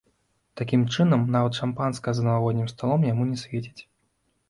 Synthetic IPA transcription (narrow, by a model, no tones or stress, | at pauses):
t̪akʲimt͡ʂɨnɐmnavɐt̪ʂampanskɐzɐnɐlavɔd̪ʲnʲimst̪alˠɔmjamunʲɛsʲvʲet͡sʲi̥t͡sʲ